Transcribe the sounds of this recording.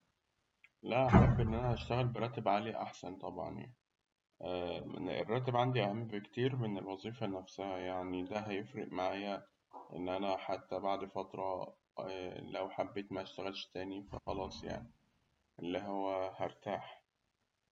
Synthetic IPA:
læʔæħæbːʔenːʔænæhæʃt̪æɣælbeɾˤɑːt̪ːebʕaliʔaħsænt̪ˤɑbʕɑ̰nja̰ | ḛrˤːɑːt̪̬ːebʕand̪iʔæhæmːekt̪iːɾmenelwɑzˤiːfænæfsæhæjaʕnid̪æɦæjefɾeʔmaʕaːjæ | ʔḛnːʔænæħat̪ːæbaʕd̪fɑt̪ɾˤɑ | læwħabːeːt̪mæʃt̪æɣælʃt̪æːnifæ̰xɑlɑːsˤja̰ʕni | ʔelːiɦowːæhæɾˤt̪aːħ

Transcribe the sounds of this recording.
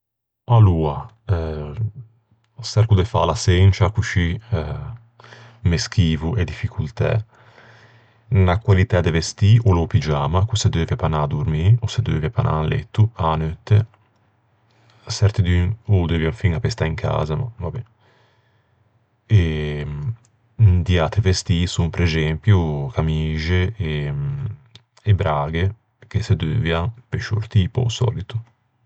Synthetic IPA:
aluːa | sɛɾkud̪ɛfa̰lasɛnt͡ʃakut͡ʃi | mesk̟iːvuʔɛd̪ifikʰult̪ɛ̰ | nakwalit̪ɛd̪ɛvest̪iʔolopid͡ʒaːmakusɛd̪øːvɛpanad̪uɾmiosed̪øːvɛpanʔa̰lḛt̪ːuanøt̪ːe | sɛɾt̪id̪ynod̪øːvjafiŋapest̪aiŋkʰa̰ːzama̰vabɛ | e | d̪iat̪ɾivest̪isumpɾezɛmpjukamiːʒee | bɾaːɡe | kesed̪øːvjapeʃo̰ɾt̪iːpo̰sɔ̰ːlit̪u

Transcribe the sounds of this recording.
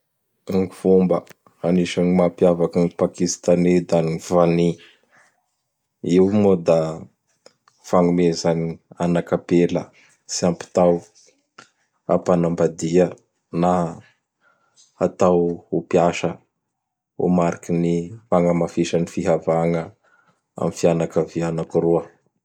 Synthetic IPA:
aŋifumbə | aniʃaŋimapiavaknipakist̪aned̪anivani | iumod̪a | faŋumezanianakapelə | siampi̥t̪aw | apanambad̪iə | na | at̪awupiaʃə | ṵmaɾikinifaŋəmafiʃənifiɦavaŋə | a̰mifianakavianakuɾuə

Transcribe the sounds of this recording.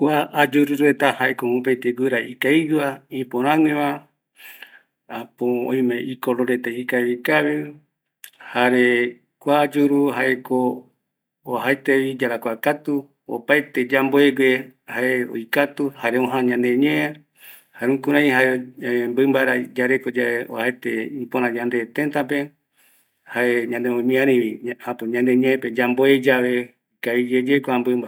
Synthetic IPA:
kʷaːd͡ʒuɾuɾuɾet̪ahaekomũp̬et̪eɡʷɨɾaikaid͡ʒuaĩpoɾ̃ãŋẽβã | apoõ̰j̃mẽʔikoɾoɾet̪eikaβikaβe | haɾe | kʷaːd͡ʒuɾuɦaekoː | ɦaet̪eβid͡ʒaɾakʷakat̪u | o̰paet̪ed͡ʒamboeɡehaeo̰jkat̪uhaɾeõɦãɲãnd̪eɲẽa | haɾũkuɾãj̃ɦaembɨmbaɾad͡ʒaɾekod͡ʒaeo̰hajt̪eĩpoɾãd͡ʒãnd̪e̞t̪ent̪ap̬e | haeɲãnd̪eõmĩãɾĩβiãpɨɲãnd̪eɲẽẽped͡ʒamboed͡ʒaβe̞ | kaid͡ʒed͡ʒekʷambɨmba

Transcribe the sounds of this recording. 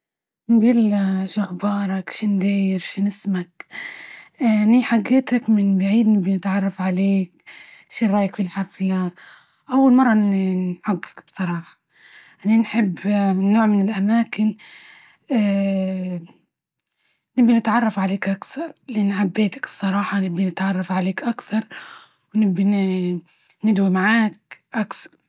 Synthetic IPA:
nɡiːlʃaɣbɑːɾˤɑkʃɪnd̪iːjɪɾʃɪnɪsmak | ʔniħaɡːeːt̪akmɪnbaʕiːd̪nɪbinɪt̪ʕɑrˤːɑfʕaleːk | ʃiɾˤɑːjakfilħafla | ʔawːalmɑrˤːɑħaɡːḁkb̥sˤɑɾˤɑːħɑ̥ | ʔananħɪbːnːoːʕmɪnɪlʔamaːkɪn | ʔ | nɪbːinɪt̪ʕɑrˤːɑfʕaleːkʔakθɑɾˤlʔɪnʕabːeːt̪ḁkɨ̥sˤːɑɾˤɑːħɑnɪbːinɪt̪ʕɑrˤːɑfʕaleːkʔakθɑɾˤ | wnɪbːi | nɪd̪wimaʕaːk̚ʔaksɑ̥ɾˤ

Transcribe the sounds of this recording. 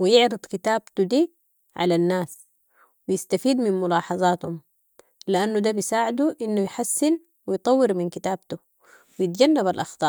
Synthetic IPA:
wijɪʕɾɨd̪ˤkit̪aːbt̪ud̪iː | ʕa̰lanːaːs | wijɪst̪afiːd̪minmʊlɑːħɑzˤɑːt̪hum | liʔanːud̪abisaːʕɪd̪uʔinːujħasːɪn | wijt̪ˤɑwːɪɾminkit̪aːb̚t̪u | wijɪt̪̚ɟanːabalʔɑxt̪ˤɑː

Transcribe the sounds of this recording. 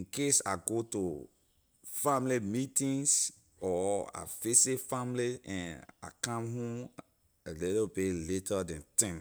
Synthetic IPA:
ĩnkesa̰ɡotu | fãmlimitĩns | ɔa̰fesefãmliɛ̃na̰kãmɦõm | lɛlpeletadɛ̃ntãm

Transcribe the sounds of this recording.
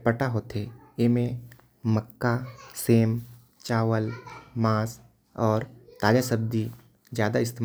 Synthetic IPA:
pəʈaɦot̪ʰe | emẽ | məkːaseːm | t͡ʃaːwəlmaːs | ɔːɾt̪aːd͡ʒasəbd̪i | d͡ʒjaːd̪aɪst̪e

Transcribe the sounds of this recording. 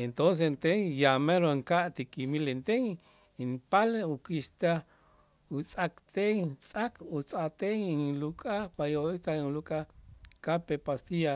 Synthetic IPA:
ent̪ons̬ent̪eŋjameɾoŋkaʔt̪ikʼimilent̪eŋ | inpaleukist̪a | ut͡sʼakt̪eŋt͡sʼakut͡sʼat̪eŋiŋlukʼapajoik̪aulukʼakapepast̪ija

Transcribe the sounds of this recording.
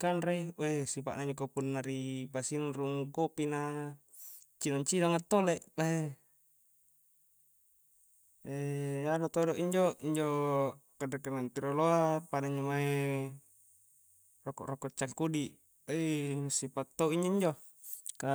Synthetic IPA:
kanreesipa̰ʔnaiɲd͡ʒokopunːaɾipasinruŋkopina | t͡ʃinaɲt͡ʃinaŋat̪ːoleʔbae | eanot̪odoʔiɲd͡ʒoiɲd͡ʒokadakenant̪iɾoloapanaiɲd͡ʒomae | rokɔ̰ʔrokɔt͡ʃːaŋkudiʔ | esipat̪ːoiɲd͡ʒoiɲd͡ʒo | ka

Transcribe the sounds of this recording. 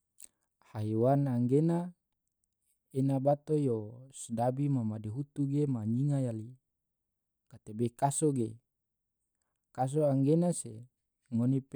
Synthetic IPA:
haiwanaŋɡena | enabat̪ojosdabimamadiɦut̪uɡemaɲiŋajali | kat̪ebekasoɡe | kas̬oaŋɡenase | ŋonip

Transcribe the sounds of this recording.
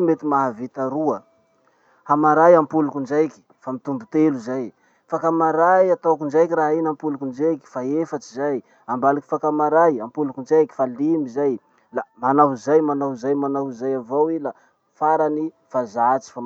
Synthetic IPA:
met̪imaɦavit̪aɾuə | hamaɾajampulukund͡ʒajkʲi̥famit̪umbut̪eluzaj | fakamaɾajat̪awkund͡ʒajkiraɦinampulukund͡ʒajki̥faefat͡ʃizaj | ambaluki̥fakamaɾajampulukund͡ʒajki̥falimizaj | lamanaɦzajmanowzajmanowzajavowila | faɾani | fazat͡ʃi̥fa

